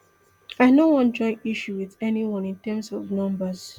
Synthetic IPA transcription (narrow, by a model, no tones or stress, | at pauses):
aɪnowɔ̃ntd͡ʒɔ̃ɪ̃niʃuwiðɛniwɔ̃nĩntɛmsɔvnʌ̃mbəz̥